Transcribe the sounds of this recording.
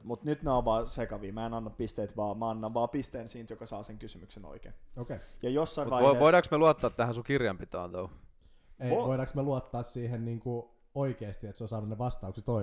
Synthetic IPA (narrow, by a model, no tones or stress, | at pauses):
mut̪nyt̪neoʋʋɑːsekɑʋiːmæenɑnːɑppist̪eːt̪ʋɑːmæɑnːɑʋʋɑːpist̪eːnsiːnt̪jokɑsɑːseŋkysymykseno̰ikḛːnoːkejɑjosːɑiʋɑieoiɾɑksmeluɑt̪ːɑːt̪t̪ːæhæsukirjɑmpit̪ːˑøɑ̰nt̪ou | eʋoiɾɑksmeluɑt̪ːɑːssiːɦenniːŋku | oikeːst̪iet̪sosɑːnuneʋɑst̪ɑuksit̪oi